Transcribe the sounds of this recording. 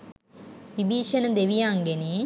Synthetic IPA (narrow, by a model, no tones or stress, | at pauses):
ʋibiːʃɐnəd̪eʋijaŋɡeni